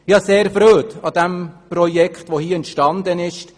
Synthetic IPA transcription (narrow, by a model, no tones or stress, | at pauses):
ɪjɑseːɾfɾøːtɑd̥̪ɛmpɾɔjɛkχtʋohiːɛntʃtɑnd̪ənɪʃt